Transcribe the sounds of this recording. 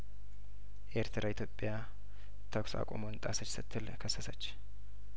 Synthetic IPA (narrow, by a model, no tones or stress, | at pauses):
ʔeɾt̪ʰɾʔait̪ʰjopʼːja | t̪ʰəkʷsa̰kʼo̰mont̪ʼasət͡ʃsɨt̪ʰːɨlkʰəsːəsət͡ʃː